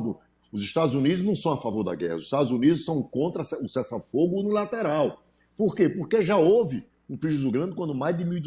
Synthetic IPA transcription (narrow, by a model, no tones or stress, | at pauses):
d̪ʊ | ʊziʃt̪ad̪ʊzunid̪ʊznɐ̃w̃sɐ̃w̃afavoɾd̪ɐ̰ɡɛ̰hɐziʃt̪ad̪ʊzunid̪ʊsɐ̃w̃kõnt̪ɾɐsɛʊsɛsɐfoɡʊunilat̪eɾaw | poɾkepoɾkeʒaovɪ | ũpɾiʒuzʊɡɾɐ̃d̪ɪkwɐ̃nd̪ʊmajzd̪ɪmiwid̪